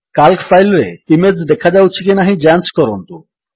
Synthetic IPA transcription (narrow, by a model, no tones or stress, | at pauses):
kalkfajlɾeimed͡ʑd̪ɛkʰad͡ʑawt͡ɕʰikinaɦĩd͡ʑant͡ʃkɔɾont̪u